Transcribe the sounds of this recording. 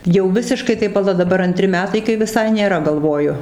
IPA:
jɛʊ ˈʋʲɪsʲɪʃkɐɪ tɐɪ pɐˈlˠɐ dɐˈbɐr ɐnʲˈtʲrʲɪ ˈmʲæːtɐɪ kɐɪ ʋʲɪˈsɐɪ nʲeːˈrɐ ɡɐlˠˈʋoːjʊ

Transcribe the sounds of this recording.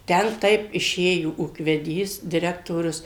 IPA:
ˈtʲɛn ˈtɐɪp ɪˈʃʲeːjoː uːkʋʲɛˈdʲiːs dʲɪˈrʲæːktoːrʲʊs

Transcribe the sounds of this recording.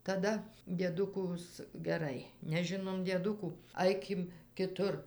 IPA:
tɐˈdɐ dʲiɛˈdʊkʊs ɡʲɛˈrɐɪ nʲɛˈʒʲɪnoːm dʲiɛˈdʊkuː ˈɐɪkʲɪm kʲɪˈtʊr

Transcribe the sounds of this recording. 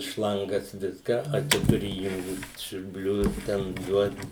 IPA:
ˈʃlˠɐŋɡɐs ˈʋʲɪskɑː ɐ ˈt͡ʃʲɛ tʊˈrʲɪ iːˈjʊŋkt sʲʊrʲˈbʲlʲʊs tʲɛn ˈduɔt

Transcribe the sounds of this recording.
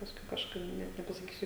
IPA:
pɐsˈkʊɪ kɐʃˈkɐɪp ˈnʲɛt nʲɛpɐsɐˈkʲiːsʲʊ

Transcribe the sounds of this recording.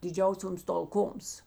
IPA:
dʲɪˈd͡ʒʲɛʊsʲoːms tɐlˠˈkoːms

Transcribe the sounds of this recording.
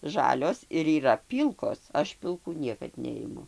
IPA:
ˈʒɑːlʲoːs ɪr iːˈrɐ ˈpʲiːlˠkoːs ˈɐʃ pʲɪlˠˈkuː ˈnʲiɛkɐt ˈnʲɛɪmʊ

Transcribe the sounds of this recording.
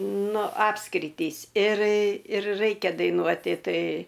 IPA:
ˈnʊ ˈɑːpskrʲɪtʲiːs ɪr ɪr ˈrɐɪkʲɛ dɐɪˈnuɔtʲɪ ˈtɐɪ

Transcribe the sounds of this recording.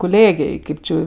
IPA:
kʊˈlʲeːɡʲeːj ˈkʲeːp ˈt͡ʃʲɪ jɛʊ

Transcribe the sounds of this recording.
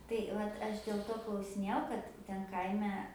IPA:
tɐɪ ˈʋɐt ˈɐʃ dʲeːlˠ ˈtoː klˠɐʊsʲɪˈnʲeːjɛʊ ˈkɐt ˈtʲɛn ˈkɐɪmʲɛ

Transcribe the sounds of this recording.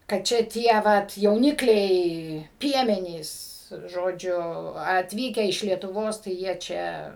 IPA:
kɐt ˈt͡ʃʲɛ ˈtʲiɛ ˈʋɐt jɛʊˈnʲɪklʲɛɪ ˈpʲiɛmʲɛnʲiːs ˈʒoːd͡ʒʲʊ ɐtʲˈʋʲiːkʲæː ɪʃ lʲiɛtʊˈʋoːs tɐɪ ˈjiɛ t͡ʃʲɛ

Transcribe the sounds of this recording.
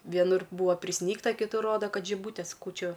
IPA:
ʋʲiɛˈnʊr ˈbuːʋɐ pʲrʲɪˈsʲnʲiːktɐ kʲɪˈtʊr ˈroːdɐ ˈkɐt ʒʲɪˈbuːtʲeːs ˈkuːt͡ʃʲʊ

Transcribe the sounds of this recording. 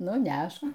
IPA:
ˈnʊ ˈnʲæʃk

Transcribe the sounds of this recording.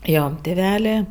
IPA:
ˈjoː tʲɪˈʋʲæːlʲeː

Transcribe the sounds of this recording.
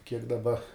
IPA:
kʲiɛk dɐˈbɐ

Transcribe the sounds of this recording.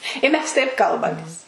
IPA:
ɪ ˈmʲɛs tɐɪp ˈkɐlˠbɐmʲeːs

